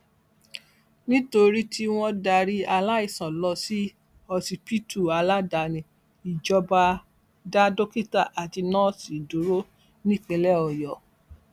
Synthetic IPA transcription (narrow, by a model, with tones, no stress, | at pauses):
nĩ˦to˧ɾi˦tʰi˦w̃ɔ̃˧da˧ɾi˦a˧la˦i˦˨sɔ̃˨lɔ˧si˦ | ɔ˧si˨pi˦tu˨a˧la˦da˧nĩ˨ | i˨d͡ʒɔ˧ba˧ | da˦do˦ki˦˨ta˦˨ʔa˨ti˧nɔ̃˦si˨du˨˦ɾo˦ | nĩ˦˨k͡pɛ˧lɛ˦ɔ˨jɔ˨